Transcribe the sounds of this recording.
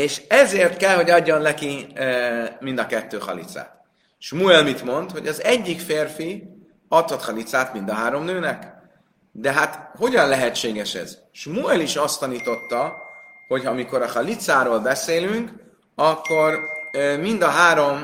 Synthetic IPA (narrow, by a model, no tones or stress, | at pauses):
eːʃɛzeːrt̪kɛlho̞ɟɒɟːo̞nlɛki | mind̪ɒkɛt̪ːøːχɒ̰lḭt̪sa̰ːt̪ | ʃmuɛlmit̪mo̞nt̪ho̞ɟɒzɛɟːikfeːrfi | ɒt̪hot̪χɒlit̪saːt̪mind̪ɒɦaːɾo̞mnøːnɛk | d̪ɛɦat̪ho̞ɟɒnlɛɦɛt͡ʃːeːɡɛʃɛ̰z̥ | ʃmuɛliʃɒst̪ɒniːt̪o̞t̪ːɒho̞chɒmiko̞ɾɒχɒlit̪saːɾoːlbɛseːlyŋk | ɒkːo̞rmind̪ɒɦaːɾo̞m